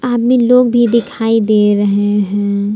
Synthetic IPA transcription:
aːd̪miloːɡ̚bʱid̪ɪkʰaːid̪eːɾəɦeɦɛ̃

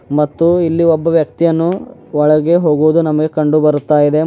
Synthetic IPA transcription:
mɐt̪ːuilːiɔbːɐʋjɐk̚t̪ijɐnːuɔɭɐɡe̞ɦoːɡuʋud̪unɐmɐɡe̞kɐɳɖubɐɾut̪ːaːjid̪e̞

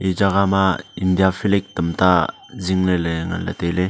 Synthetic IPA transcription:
id͡ʒaɡamaindijafʰilek̚t̪əmta | ziŋleleŋa̰nla̰t̪ele

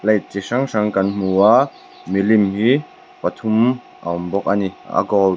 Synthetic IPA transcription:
lej̚t͡siʂaŋsaŋkɐnm̥ua | milimhi | pɐt̪ʰum | ʔa̰mbɔk̚ʔania̰kɔl

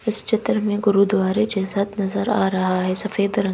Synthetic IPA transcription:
ɪst͡ʃɪt̪ɾmẽɡʊɾuːd̪waːɾed͡ʑeːsɐt̪ʰnɐzəɾaːɾɐɦaɦɛsɐfeːd̪ɾɐ̃

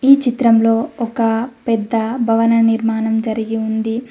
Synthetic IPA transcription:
iːt͡ʃit̪ɾɐmlo̞ːɔkɐpɛd̪ːɐbʱɐʋɐnɐniɾmaːnɐmd͡ʒɐɾiɡiund̪i

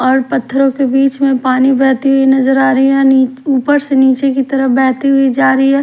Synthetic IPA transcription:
ɔːɾpɐt̪ʰːəɾõkebiːt͡ʃmẽpaːnibɛːɦt̪iɦʊinɐzəɾaːɾɐɦiɦɛ̃niːuːpəɾseniːt͡ʃekit̪ɐɾəbɛːɦt̪iɦʊid͡ʒaːɾəiɦɛː

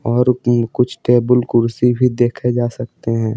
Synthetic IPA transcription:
ɔːɾkʊt͡ʃʰʈeːbəlkʊɾsibʱid̪eːkʰed͡ʒaːsɐk̚t̪eɦɛ̃ː

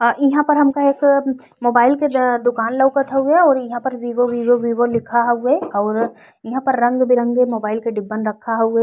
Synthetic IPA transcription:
ɪɦãpɐɾɦɐmkaeːk | moːbaːɪlked̪ʊkaːnlɐʊkat̪ʰaɦuaɔːɾjɐɦãpɐɾʋiːʋoʋiːʋoʋiːʋolɪkʰaɦueɔːɾ | jɐɦãpɐɾːɐ̃ŋɡbʱiɾɐ̃ŋɡemoːbaːɪlkeɖɪbənɾɐkʰːaɦueː

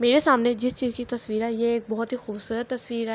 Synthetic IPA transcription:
meːɾesaːmned͡ʒɪst͡ʃiːzkit̪ɐsʋiːɾɛjeeːk̚bɔɦʊt̪ɦixuːbsuːɾət̪ːɐswiːɾɦɛ

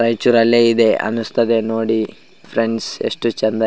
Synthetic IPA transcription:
ɾɐjt͡ʃuɾɐlːeid̪eʔɐ̰nust̪ɐd̪enoːɽi | fʰɾeɳɖsḛʂʈut͡ʃend̪ɐ

